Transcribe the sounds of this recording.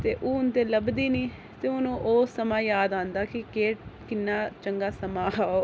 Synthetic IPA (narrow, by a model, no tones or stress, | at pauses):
t̪eːʔoːʊnt̪eːləbd̪iːniː | t̪eːʊnũːʔoːsəmãːjaːd̪ãːnd̪aːkɪkeːʈkɪnːaːt͡ʃəŋɡaːsəmãːaːo